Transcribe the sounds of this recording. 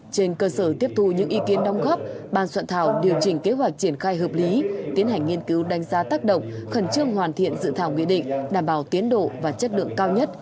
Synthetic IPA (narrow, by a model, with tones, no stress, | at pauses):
t͡ɕe˧nkəː˧səː˧˩t̪i˦˥əp̚t̪ʰu˧ɲɨ̰˧˥ŋʔi˨˧˦ki˨˦ənɗɔ˨˦wŋ͡mɣɔ˦˥p̚ɓaː˧˩nswa̰˧˨nt̪ʰaː˧˩wɗi˨˩əwt͡ɕï˧˩ŋ̟ke˨˦ɦwa˨˩jk̟̚t͡ɕi˧˩ənxaː˧jɦəː˨˩p̚li˨˦t̪i˨˦ənɦa˨˩jŋ̟ːŋi˧ənki˨˦wɗa˧jŋ̟zaː˨˦t̪aː˦˥k̚ɗə̰˧˨wŋ͡mxə˨˧˩nt͡ɕɨ˧əŋhwaː˨˩nt̪ʰḭ˧˨ənzɨ̰˧˨t̪ʰaː˧˩wŋwḭ˧˨ɗḭ̈˧˨ŋ̟ɗaː˧˩mɓaː˧˩wt̪i˨˦ənɗo̰˧˨vaː˨˩t͡ɕə˦˥t̚lɨ̰˧˨əŋkaː˧wɲə˦˥t̚